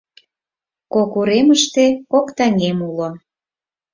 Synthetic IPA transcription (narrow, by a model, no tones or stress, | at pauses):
kokuɾeməʃt̪ekokt̪ɑŋʲemulo